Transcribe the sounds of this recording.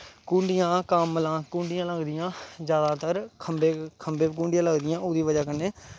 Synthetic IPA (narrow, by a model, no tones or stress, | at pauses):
kũːɳɖɪjãːkəmlãːkũːɳɖɪjãːləɡd̪ɪjãːd͡ʒjaːd̪aːt̪əɾkʰəmbeːkʰəmbẽːkũːɳɖɪjãːləɡd̪ɪjãːʊːd̪iːʋəd͡ʒaːkənːeː